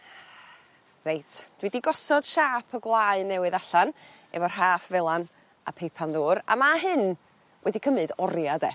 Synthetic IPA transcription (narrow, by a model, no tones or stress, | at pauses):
rejtd̥widiɡɔsɔd̥ʃaːpʰɔɡlˠaɨnɛwɨðaɬan | ɛvɔrɦaːfvɛlˠan | a̰pʰejpʰanðuːɾa̰maɦɨn | wʔɛdikʰəmɨdɔɾjadɛ